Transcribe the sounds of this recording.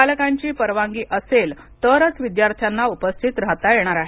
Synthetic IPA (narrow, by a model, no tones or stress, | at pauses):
alkaɲt͡ɕiːpəɾʋaŋɡiːʔəsel | t̪əɾət͡sʋid̪jaɾt̪ʰjanːaupəst̪ʰit̪ɾat̪ajeɽ̃aɾaɦe